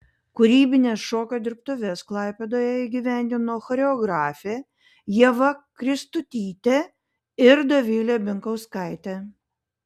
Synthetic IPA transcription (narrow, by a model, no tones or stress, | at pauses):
kʊɾʲiːbʲɪnʲeːsʃoːkʲod̪ʲɪɾp̚t̪ʊʋʲɛsklˠɑˑɪpʲed̪oːjɛiːɡʲiʋʲæˑnʲd̪ʲɪnoːxɔɾʲɛɔɡɾɑːfʲe | jiɛʋɐkɾʲɪst̪ʊt̪ʲiːt̪ʲe | ɪɾd̪ɐʋʲɪlʲeːbʲɪŋkɐʊskɑɪt̪ʲɛ